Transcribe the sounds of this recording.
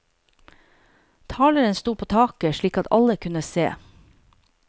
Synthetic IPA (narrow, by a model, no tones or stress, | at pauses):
t̪ʰɑːləɾənst̪uːpʰoːt̪ʰɑːkəʃɭiːkɑt̪ɑ̰ləkʰʉnəsḛː